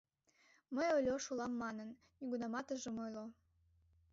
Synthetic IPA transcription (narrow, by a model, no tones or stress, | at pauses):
məjolʲoʃulˠɑmːɑnənːiɣunɑmɑt̪ə̆ʒə̆mojlo